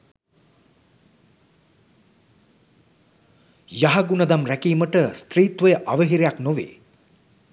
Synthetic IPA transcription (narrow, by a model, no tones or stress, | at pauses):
jaɦɐɡunəd̪amɾækiːməʈəst̪riːt̪ʋəjəʔaʋəɦiɾejaknoʋḛː